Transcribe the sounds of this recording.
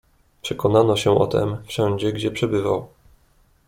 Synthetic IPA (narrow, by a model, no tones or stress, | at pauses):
pʂɛkɔnanɔɕɛʔɔ̰t̪ɛ̰mfʂɛ̃ɲd͡ʑɛɡd͡ʑɛpʂɛbɘva̰w